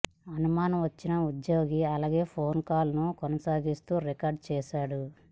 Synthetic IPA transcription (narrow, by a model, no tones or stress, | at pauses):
ɐnumaːnɐmʋɐt͡ʃːinɐud̪jo̞ːɡiɐlaːɡeːpʰoːnkaːlnukɔnɐsaːɡist̪uːɾikaːɾɖ̚t͡ʃɛːʃaːɽu